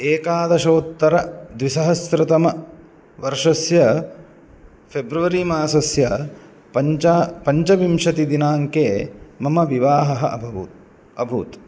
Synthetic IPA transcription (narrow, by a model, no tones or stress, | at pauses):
eːkaːd̪ɐʃoːt̪ːɐɾɐd̪ʋisɐɦɐsɾɐt̪ɐmɐ | ʋɐɾʂɐsjɐ | pʰebɾuʋɐɾimaːsɐsjɐ | ɐt͡ʃaːpɐɲt͡ʃɐʋimʃɐt̪id̪inaːŋkeːmɐmɐʋiʋaːɦɐɦɐʔɐ̰bʱɐut̪ | ɐbʱṵːt̪